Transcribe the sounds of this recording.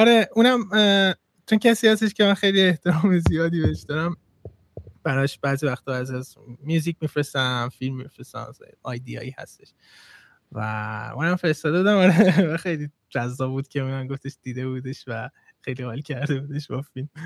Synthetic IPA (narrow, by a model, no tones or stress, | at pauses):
ɒɾe̞unæm | t͡ʃʰoncʰæsiːhæst̪eʃcemænxejlieht̪ʰeɾɒːmezijɒːd̪iːbe̞heʃd̪ɒɾæm | b̥æɾɒʃb̥æːzivæxt̪ʰɒːbæːziæz | mjuːzic̚mifɾesæmfilmːifɾesæ̰mɒːjd̪iɒ̰ːiːhæ̰st̪e̞ʃ | væ̰ṵːnæmfe̞ɾest̪ɒːd̪euːd̪æmɒɾevæxe̞jliː | d͡ʒæzːɒːbbuːd̪̥̚cʰʲeuːnæmɡoft̪e̞ʃd̪̥iːd̪e̞bud̪e̞ʃvæ | xe̞jliɣɒlcʲʰæɾd̪e̞buːd̪e̞ʃbɒfilm